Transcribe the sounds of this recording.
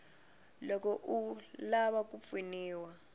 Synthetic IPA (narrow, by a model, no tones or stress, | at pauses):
lɔkɔʔulaɓak̬ʼup̪finiːwa